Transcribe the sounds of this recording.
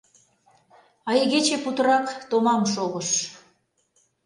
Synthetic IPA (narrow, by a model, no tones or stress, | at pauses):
ɑjɣet͡ɕeput̪ə̆ɾɑkt̪omɑmʃoɣə̆ʃ